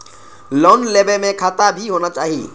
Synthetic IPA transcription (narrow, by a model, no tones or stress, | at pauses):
loːnlebemẽkʰaːt̪abʱiɦoːnat͡ʃaːɦi